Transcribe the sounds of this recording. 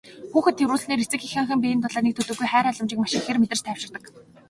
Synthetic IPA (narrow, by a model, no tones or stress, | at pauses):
xuːxɘ̆t̪ʰːewɾuːɮɮniːɾet͡sɘ̆kixaɴχə̆mpiːj̆nt̪ʊɮaːniːk̚t̪ʰɵt̪ɵ̆ɣɡːujχæːɾɔɮɞ̆mt͡ɕɪ̆kmaʃɪ̆kxermet̪ɘ̆rt͡ɕt̪ʰæːw̥ʃɪ̆rt̪ə̆k